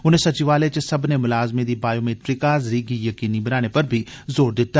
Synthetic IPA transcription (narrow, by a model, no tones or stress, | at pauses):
ʊn̤ɦẽsɐt͡ʃiʋaːlet͡ʃesɐbnemʊlaːzmẽd̪ibaːjomeːʈɾɪkaːzɾiɡijɐkiːnibɐnaːnepɐɾbʱizoːɾd̪ɪt̪ːa